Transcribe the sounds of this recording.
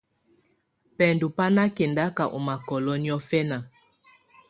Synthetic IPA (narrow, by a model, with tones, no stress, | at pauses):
pɛ˨ndu˨pa˦na˦ke˨nda˦ka˨ʔo̰˨ma˨kɔ˨lɔ˦ni˦ɔ˦fɛ˦na˨